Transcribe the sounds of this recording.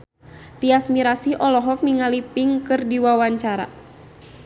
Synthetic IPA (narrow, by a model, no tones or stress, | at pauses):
t̪iasmiɾasiʔɔlɔɦɔk̚niŋalipiŋkɨrdiwawaɲt͡ʃaɾa̰